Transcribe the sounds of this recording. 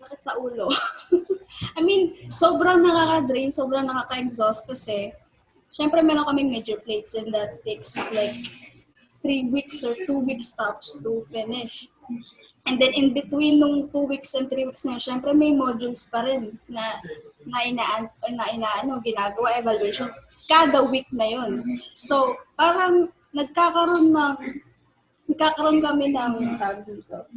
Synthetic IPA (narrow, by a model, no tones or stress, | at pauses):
baːkɪt̪̚sɐʔuːlo̞ | ʔɐjminsoːbɾɐŋnɐkakɐd̪ɾinsoːbɾɐŋnɐkaːkɐɪksost̪̚kɐsɛ | ʃɛmpɾɛmɛːɾoŋkɐmɪŋmɛd͡ʒʊɹplejt̪sɛ̃nd̪ɐt̪ːekslajk̚ | t̪ɾiwiksɔɹt̪uwikst̪apst̪ʊfɪnɪʃ | ʔɛnd̪ɛnɪnbɪt̪winːʊŋt̪uwiksɛnd̪t̪ɾiːwik̚snɐjonʃɛmpɾɛmɐjmod̪ʊlspɐɾɪnːɐnɐʔɪnaːʔɐnnɐʔɪnaʔɐno̞ɡɪnaːɡɐwaʔɛvalwejʃon | kaːd̪ɐwik̚nɐjonso̞paːɾɐŋ | nɐɡ̚kaːkɐɾo̞nːɐŋ | nɐɡ̚kaːkɐɾɐʔonkɐmɛnɐŋt̪aːbɪt̪o